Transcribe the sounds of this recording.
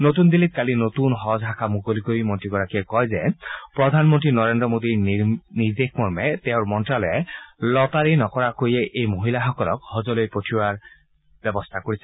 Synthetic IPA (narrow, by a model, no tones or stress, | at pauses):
not̪und̪ilit̪̚kalinot̪unɦɔzɦakʰamuɡoliɡoɹimɔntɹiɡɔɹakiɛkɔjzɛpɹɔd̪ʱanmɔntɹinɔɹendɹɔmod̪iɹniɹd̪exmɔɹmɛt̪ɛʊɹmɔntɹalɔjɛlɔt̪aɹinɔkɔɹakojɛʔejmoɦilaxɔkɔlɔ̰khɔzɔlojpotʰiwaɹ | b̥ɛbɔst̪ʰakoɹisɛ̥